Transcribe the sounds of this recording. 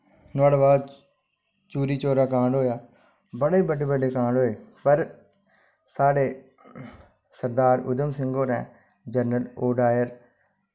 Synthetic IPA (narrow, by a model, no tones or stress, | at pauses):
naːɽbaːd̪ | t͡ʃuːɾiːt͡ʃoːɾaːkãːɳɖɦoːjaː | bəɽeːbəɖeːbəɖeːkãːɳɖɦoːeːpəɾ | saːɽeː | səɾd̪aːɾʊ̰d̪əmsɪŋɡoːɾɛ̃ː | d͡ʒənəloːɖaːjəɾ